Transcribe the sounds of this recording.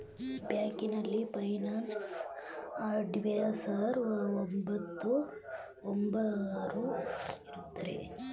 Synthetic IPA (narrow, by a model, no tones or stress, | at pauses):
bjaːŋkinɐlːipɐjnaːns | aːɾɖiʋejɐsaɾɐombɐt̪ːu | ombɐɾuiɾut̪ːɐɾḛ